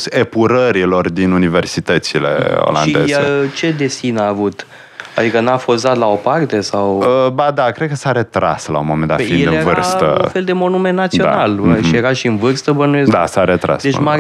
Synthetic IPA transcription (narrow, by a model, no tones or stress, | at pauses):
sepuɾəɾilo̞rd̪inunive̞rsit̪ət̪sile̞̰o̞̰laa̰nie̞jaet͡ʃe̞d̪e̞sinaːvut̪ | ad̪ikənafozat̪lao̞part̪e̞sawəbad̪akɾed̪̚kəsaɾe̞t̪ɾa̰sla̰ṵnmomenaefinjeɨeɾvɨɾast̪ə̰ũfe̞ld̪e̞mo̞nume̞nːat̪sioda̰nalʃijeɾaʃiɨnvɨrst̪əbənuezd̪a̰saɾet̪ɾa̰sd̪et͡ʃma